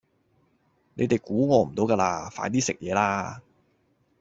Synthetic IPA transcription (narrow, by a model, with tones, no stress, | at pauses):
ne˨˧jt̪e˨jkuː˨˥ŋɔː˧m̩˨˩t̪o˨˧˥wkaː˧laː˧fa̰ː˧˥jt̪̬iː˥sɪ˨k̚jɛː˨˧laː˥